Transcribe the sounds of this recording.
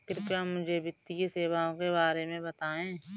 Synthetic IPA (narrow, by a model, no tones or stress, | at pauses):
kɪɾɪpjamːʊd͡ʒʱebʱɪt̪ːikiseːʋaõkebaːɾemẽbɐt̪aːẽː